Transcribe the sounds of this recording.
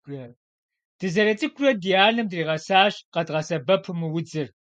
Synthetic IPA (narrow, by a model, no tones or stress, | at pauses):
rɐ | d̥ɨzɐɾɐt͡sʼɨkʷʰrɐdijaːɮɨmdriːʁɐsaːɕqɐdʁɐsɐbɐpʰɨmɨwʊd͡zɨr